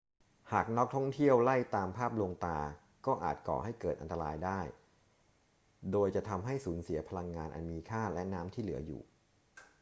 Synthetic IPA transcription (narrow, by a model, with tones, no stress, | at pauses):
haː˨˩k̚nɔ˦˥k̚t̪ʰɔ˥˩ŋt̪ʰi˥˩əwla˥˩jt̪aː˧mpʰaː˥˩p̚lo˧ŋt̪aː˧ | kɔː˥˩ʔa̰ː˨˩t̪̚kɔ̰ː˨˩ha˥˩jkɤː˨˩t̪̚ʔa̰˧nt̪a˧ɾaː˧jdaː˥˩j | doː˧jt͡ɕa˨˩t̪ʰa˧mɦa˥˩jsuː˩˦nsi˩˦ɐpʰa˧la˧ŋːaː˧nʔa̰˨˩nmiː˧kʰaː˥˩lɛ˦˥naː˦˥mt̪ʰiː˥˩lɯ˩˦ɐjṵː˨˩